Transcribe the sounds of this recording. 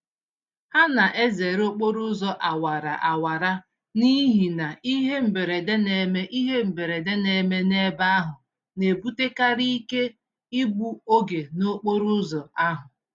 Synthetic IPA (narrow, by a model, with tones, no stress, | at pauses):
ha˦na˨ʔe˦ze˨ɾo˦k͡po˦ɾu˦zɔ˨ʔa˨wa˨ɾa˨ʔa˨wa˨ɾa˦ | ni˦ɦi˨na˨i˦ɦe˦m̩˨be˨ɾe˨de˦ne˨me˦ʔi˦ɦe˦m̩˨be˨ɾe˨de˦ne˨me˦ne˦ba˦a˦ɦʊ˨ | ne˨bu˦te˦ka˦ɾi˦i˦ke˦ | i˦ɡ͡bu˦o˦ɡe˨no˦k͡po˦ɾʊ˦zɔ˨a˦ɦʊ˨